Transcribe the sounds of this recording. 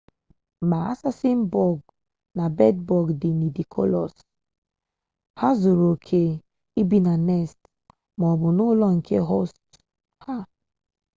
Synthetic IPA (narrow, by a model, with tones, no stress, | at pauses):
ma˨a̰˦sa˦si˦m˦bɔ˦˨ɡ̚ | na˨bɛ˦d̚bɔ˨ɡdi˨ni˨di˨kʰo̰˦lɔ˨s | ha˦zu˨ɾo˨kʰe˦ | i˦bi˦na˨nɛ˦˨st | mɔ˨bu˨no˦lɔ˦ŋ̩˨kʰe˦ɦo˦st | ha˦